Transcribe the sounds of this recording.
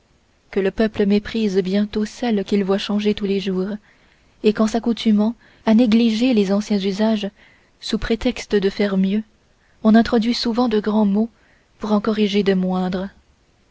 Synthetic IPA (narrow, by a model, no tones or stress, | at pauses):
kələpœpləmepχizbjɛ̃t̪osɛlkʲilvwaʃɑ̃ʒet̪uleʒuːʁ | ekɑ̃sakut̪ʰymɑ̃ | aneɡliʒelezɑ̃sjɛ̃zyzaʒ | supχet̪ɛkst̪əd̪əfɛʁmjø | ɔ̃nɛ̃t̪χɔd̪ɥisuvɑ̃d̪əɡʁɑ̃mo | puʁɑ̃kɔʁiʒed̪əmwɛ̃d̪ʁə